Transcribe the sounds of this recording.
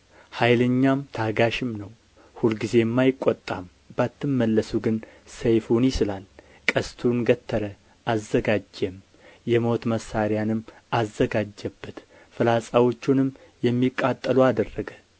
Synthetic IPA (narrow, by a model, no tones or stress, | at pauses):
hajləɲːamt̪ʰaɡaʃɪmnəw | hulɡize̞mːajɪkʷʼːot̪ʼːam | bat̪ʰːɨmːəlːəsuɡɨnsejfunjɪsɨlal | kʼəst̪ʰunɡət̪ʰːəɾə | ʔazːəɡad͡ʒːɛm | jɛmo̞t̪məsːaɾjanɨmːazːəɡad͡ʒːɛbːət̪ | fɨlasʼawo̞t͡ʃːunɨmjɛmːikʼːat̪ʼːəluad̪ərːəɡə